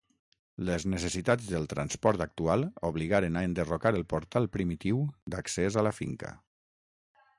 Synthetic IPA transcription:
ləznəsəsit̪ad͡zðəlˠt̪ɾanspɔɾt̪ak̚t̪ualˠoβliɣaɾənaənd̪ərokaɾəlˠpoɾt̪alˠpɾimit̪iwd̪aksezaləfḭŋkə̰

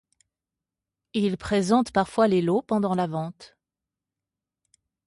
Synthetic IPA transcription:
ilpχezɑ̃t̪paʁfwalelopɑ̃d̪ɑ̃lavɑ̃t̪

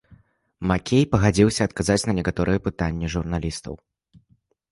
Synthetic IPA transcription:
makʲʰejpɐɣad͡zʲiwsʲɐːt̪̚kazat͡sʲnɐnʲɛkat̪ɔɾɨjɛpɨt̪anʲːɛʐurnalʲist̪ɐ̰w

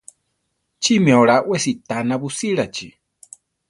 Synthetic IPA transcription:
t͡ʃimioɺaʔwesit̪anaβusiɺat͡ʃi

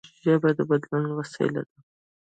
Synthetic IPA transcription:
zabajd̪əbad̪lunwasa̰j̰la̰d̪a

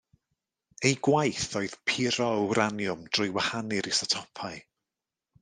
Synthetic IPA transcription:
ejɡwajθɔɨð̥pʰɪɾɔəwɾanjʊmd̥rʊjwahanɨɾisɔtʰɔpʰaɨ

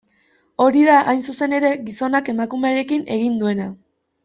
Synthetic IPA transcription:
o̞ɾiðaʔajns̬use̞ne̞ɾe̞ɣiso̞nake̞makume̞aɾe̞kine̞ɣ̞ind̪ue̞na

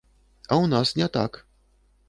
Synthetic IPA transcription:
awnasnʲɛt̪a̰k

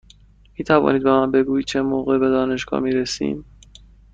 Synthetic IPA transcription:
miːt̪ʰævɒ̰ːniːd̪bemænbe̞ɡuːid̪̚t͡ʃʰemoːɣebe̞d̪ɒːne̞ʃɡ̥ɒ̰ːmiːɾesḭːm

